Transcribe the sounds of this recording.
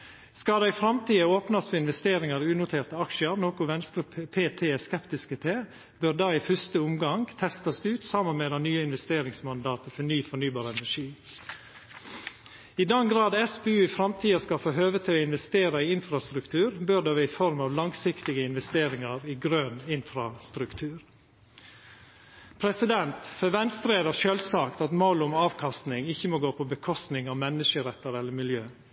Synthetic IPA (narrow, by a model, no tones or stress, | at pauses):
skɑd̪æɪfɾɑmt̪ʰiːəoːpnɑsfɔɪnʋɛst̪eːɾɪŋɑɾʉːnʊt̪ʰeːɾt̪əɑkʃəəɾnoːkʊʋɛnst̪ɾəpʰeːt̪ʰeːskɛpt̪ɪskət̪ʰeː | bøɾd̪ɑːɪfʏst̪əʊmɡɑŋɡt̪ʰɛst̪ɑsʉːt̪sɑmənmɛd̪ɑnyːəɪnʋɛst̪eːɾɪŋsmɑnd̪ɑːt̪əfɔnyːfɔɳyːbɑːɾəɛnæʂiː | ɪd̪ɛnɡɾɑːd̪ɛsbeːʉːɪfɾɑmt̪ʰiːɑskɑfoːɦøːʋət̪ʰɪɔɪnʋɛst̪eːɾɑɪɪnfɾɑst̪ɾʉkt̪ʰʉːɾbød̪ɑːʋɛɪfɔɾmɑːʋlɑŋsɪkt̪ɪɡəɪnʋɛst̪eːɾɪŋɑɾɪɡɾøːnɪnfɾɑst̪ɾʉkt̪ʰʉːɾ | pʰɾɛsɪd̪ɛnt̪fœʋɛnst̪ɾeːd̪ɑʃøːlsɑːkt̪ɑt̪moːlʊmɑːʋkʰɑst̪nɪŋɪçːəmoːɡoːpʰɔbəkʰɔst̪nɪŋɑʋmɛnːəʂəɾɛt̪ːəɾɛlːəmɪljøː